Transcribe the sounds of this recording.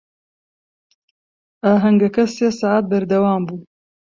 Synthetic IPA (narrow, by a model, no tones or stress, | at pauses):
ʔaːɦɐŋɡɐkɐseːsaːaːt̪̚bɐɾd̪ɐwaːmbuːn